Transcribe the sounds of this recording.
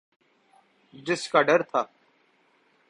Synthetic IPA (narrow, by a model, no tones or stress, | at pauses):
d͡ʒɪskaːɖəɾt̪ʰaː